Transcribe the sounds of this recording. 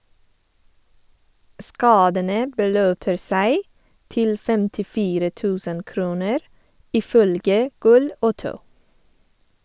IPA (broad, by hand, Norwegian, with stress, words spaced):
ˈskɑːdənə bəˈløːpəɾ ˈsæɪ ˈtɪl fɛmtɪˈfiːɾə ˈtʉːsən ˈkɾuːnəɾ ˈiː ˈfœlɡə ˈɡʊl ə ˈoːtəʊ